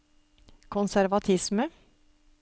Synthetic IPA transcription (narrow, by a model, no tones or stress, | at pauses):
kʰʊnsæɾʋɑt̪ʰɪsmə